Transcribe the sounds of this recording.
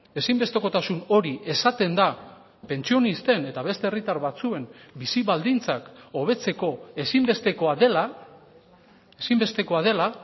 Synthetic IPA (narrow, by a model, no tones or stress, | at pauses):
e̞simbe̞st̪e̞ko̞t̪asuno̞ɾiʔe̞sat̪e̞nd̪a | pe̞nt͡sio̞nist̪e̞ne̞t̪aβe̞st̪eːrit̪aɾβat͡sue̞mbisiβald̪int͡sako̞β̞e̞t͡se̞ko̞esimbe̞st̪e̞ko̞aðe̞la | esimbe̞st̪e̞ko̞aðe̞la